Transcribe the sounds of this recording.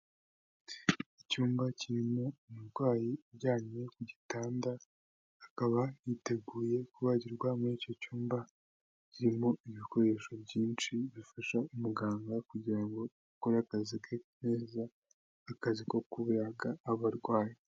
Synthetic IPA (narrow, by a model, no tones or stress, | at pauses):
icuːmbaciɾimo̞imuɾɡwaːjiɾɟaːɲe̞kuɟitaːndaː | kaβajite̞ɡuːje̞kuβaɟiɾɡwamunico̞cuːmba | ciɾimo̞iβiko̞ɾe̞ʃo̞bɟiːnʃiβifaʃaumuɡaːŋɡakuɟiɾaŋɡo̞ | ukoɾakazikeneːzaː | kaziko̞kuβuɾaɡaːβaɾɡwaːji